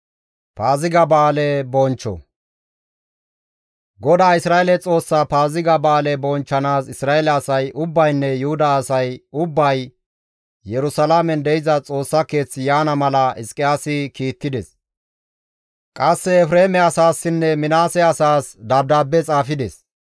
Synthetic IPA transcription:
paːzɪɡɐbaːlɛbɔnt͡ʃːɔ̰ | ɡɔd̪aːɪsɾaːɛlɛt͡sʼo̞ːsːapaːzɪɡɐbaːlɛbɔnt͡ʃːɐnaːsɪsɾaːɛlɛɐsɐjʔʊbːɐjnːɛjʊhʊd̪ɐːsɐjʊbːɐj | jɛɾʊsɐlamɛnd̪ɛjɪzɐt͡sʼo̞ːsːɐke̞ːt͡sːɪjaːnɐmɐlɐɪskʼɪjaːsɪkiːt̪ːɪd̪ɛs | kʼɐsːɛɛfɾe̞ːmɛɐsaːsːɪnːɛmɪnaːsɛɐsaːsd̪ɐb̚d̪aːbːɛt͡sʼaːfɪd̪ɛs

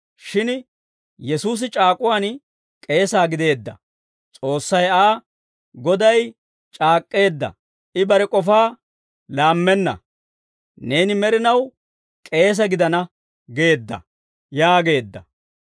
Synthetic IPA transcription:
ʃɪn | jɛsuːs̬ɪt͡ʃʼaːkʼʊwaːn | kʼe̞ːsaːɡɪd̪e̞ːd̪ːɐ | t͡sʼo̞ːsːɐjaː | ɡɔd̪ɐj | t͡ʃʼaːkʼːe̞ːd̪ːɐ̰ | ɪbɐɾɛkʼɔfaː | laːmːɛnːɐ̰ | ne̞ːnɪmɛɾɪnɐw | kʼe̞ːs̬ɐɡɪd̪ɐnɐ | ɡe̞ːd̪ːɐ̰ | jaːɡe̞ːd̪ːɐ

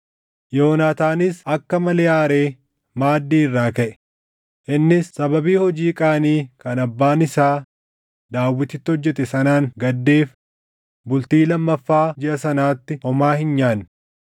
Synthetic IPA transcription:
joːnaːt̪aːnɪsɐkːɐmɐlɛaːɾe̞ː | maːd̪ːiːɪrːaːkɐʔɛ̥ | ʔɪnːɪsːɐbɐbiːhɔd͡ʒiːkʼaːniːkɐnɐbːaːnɪsaː | d̪aːwːɪt̪ɪt̪ːɪhɔd͡ʒːɛt̪ɛsɐnaːŋɡɐd̪ːeːf | bʊlt̪iːlɐmːɐfːaːd͡ʒɪʔɐsɐnaːt̪ːɪɔmaːhɪnɲaːn

